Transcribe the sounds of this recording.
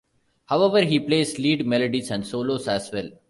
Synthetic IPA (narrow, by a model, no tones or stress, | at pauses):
haʊɛʋəɾɦiːpleːsliːɖmɛləɖisæ̃ɳɖsoːloːsæsʋɛl